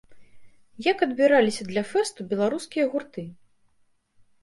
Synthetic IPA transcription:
jakɐd̪bʲiɾalʲisʲɐd̪lʲɐfɛst̪ubʲɛlˠaɾuskʲijɐɣurt̪ɨ

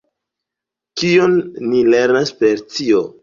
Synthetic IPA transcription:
kionːile̞ɾnaspe̞ɾt͡sio

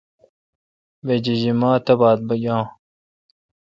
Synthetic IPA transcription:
wed͡ʑiʑimaːt̪ɐbaːd̪̚bɐjãː

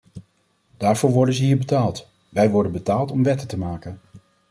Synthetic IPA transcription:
d̥aːɹvʊːɹʋɔɹdənzəɦiːɹbətaːlˠt | ʋɛjʋɔɹdənbətaːlˠtɔmʋɛtətəmaːkən

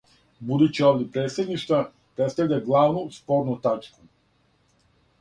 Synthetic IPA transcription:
bud̪ut͡ɕioʋdʲepɾe̞ːt̪sjed̪niʃt̪va | pɾet̪st̪aʋʲlʎʲaɡlˠaːʋnuspo̞ɾnut̪at͡ʃku

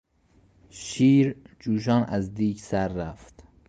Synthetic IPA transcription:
ʃiːɾd͡ʒuːʃ̬ɒːnʔæzd̪iːksæɾːæft̪

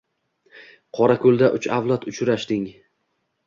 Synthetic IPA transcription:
qʰɒɾakʲʰɵlˠd̪aʔʊt͡ʃavlˠat̪ʊt͡ʃɾaʃd̪ɪŋ

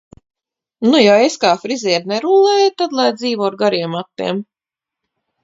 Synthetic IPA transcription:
nujaeskaːfɾizʲɛɛɾnɛɾulˠɛjt̪ad̪lˠajd̪ziːvɔɾɡaɾiɛmat̪ːḭɛm

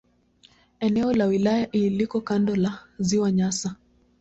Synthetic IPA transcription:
ɛnɛɔlawilajaʔilikɔkandɔlaziwaɲasa

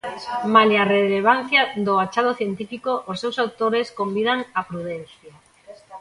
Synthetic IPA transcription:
maljareleβ̞an̟θjaðoat͡ʃaðoθjent̪ifikoʔosːewsawt̪oɾeskombiðaŋapɾuðɛn̟θja

